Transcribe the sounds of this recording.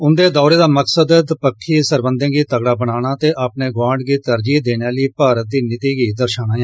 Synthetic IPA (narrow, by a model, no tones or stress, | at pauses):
ʊnd̪eːd̪ɔːɾeːd̪aːməksəd̪d̪pəkʰːiːsəɾbənd̪ə̃ːɡiːt̪əɡɽaːbəɽaːñaːt̪eːʔaːpneːɡwãːɳɖɡiːt̪əɾd͡ʒiːd̪eːnaːliːpaːɾət̪̚d̪iːnɪt̪iːɡiːd̪əɾʃaːnaːjãː